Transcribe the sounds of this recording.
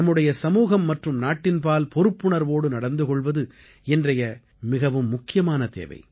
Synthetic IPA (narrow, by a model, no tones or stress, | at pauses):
ɐmːɯɽɐjɐsɐmuːɣɐmːɐʈrɯmnaːʈːɪnpaːlpɔɾɯpːɯɳɐɾʋoːɽɯnɐɽɐnd̪ɯkɔɭʋɐðɯ | ɛndrɐjɐ | mɪɣɐʋɯmːʊkːɪjɐmaːnɐt̪ḛːʋɐ̰ɪ